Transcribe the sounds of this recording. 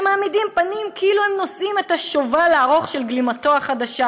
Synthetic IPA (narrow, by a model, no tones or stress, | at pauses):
maːmidimpanimkeiluhemno̞simetaʃovaleaʁo̞χʃelɡlimato̞aχad̪aʃa